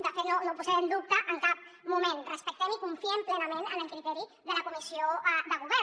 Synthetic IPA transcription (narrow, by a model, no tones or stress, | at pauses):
d̪əfet̪nonopuzɛɾənd̪up̚t̪əʔəŋkap̚mumẽnrəspək̚t̪enikuɱfiɛmplɛnəmẽnənəlˠkɾit̪ɛɾiðələkumisioðəɣ̞uβɛ